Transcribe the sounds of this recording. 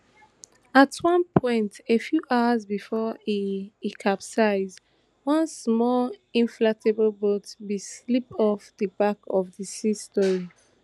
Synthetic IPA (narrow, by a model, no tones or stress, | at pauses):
atʰwʌ̃npʰɔ̃ɪ̃ntefjuʔaʊəzbifɔiikʰapsaɪz | wʌ̃nsmɔlĩnflatebəlbotbislip̚ɔfðəbakɔfðəsistɔɹi